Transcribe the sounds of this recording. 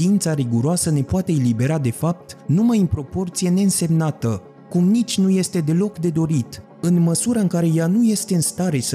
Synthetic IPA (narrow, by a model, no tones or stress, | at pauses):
iint̪saɾiɡuɾoasəne̞poat̪e̞ːlibe̞ɾad̪e̞fap̚t̪numajɨmpɾo̞po̞rt̪sije̞ne̞ɨnse̞mnat̪ə | kumnit͡ʃʲnuje̞st̪e̞d̪e̞lo̞kd̪e̞d̪o̞ɾit̪ | ɨnməsuɾaɨŋkaɾe̞januje̞st̪e̞ɨnst̪aɾe̞s